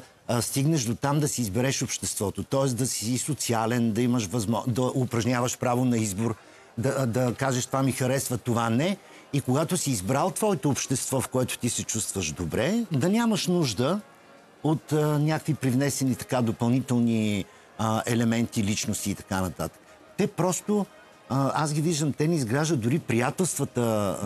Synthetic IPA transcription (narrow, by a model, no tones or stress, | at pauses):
st̪iɡnɛʃd̪ot̪amd̪ɐsiːzbɛɾɛʃopʃt̪ɛst̪vɔt̪ot̪ɔɛsd̪ɐsisot̪sialɛnd̪ɐiməʃvɐzmɔd̪ɐʔʊpɾɐʒnʲavəʃpɾavonɐizboɾ | d̪ɐd̪ɐkaʒɛʃt̪vamixɐɾɛsvɐt̪ovanɛ | ikoɡat̪osiːzbɾalˠt̪vɔɛt̪oːpʃt̪ɛst̪vɔfkoɛt̪ʊ̥t̪isɛt͡ʃust̪vəʒd̪obɾɛd̪ɐnʲaməʃnuʒd̪ə | ot̪ənʲjakəkvipɾivnɛsɛnit̪ɐ̥kad̪opɐlˠnit̪ɛlˠni | əɛlɛmɛnt̪ilit͡ʃnost̪iːt̪ɐ̥kanɐt̪at̪ə̥k | t̪ɛpɾɔst̪o | asɡʲiviʒd̪əmt̪ɛnɛizɡɾaʒd̪əd̪ʊɾipɾijat̪ɛlˠst̪vət̪ə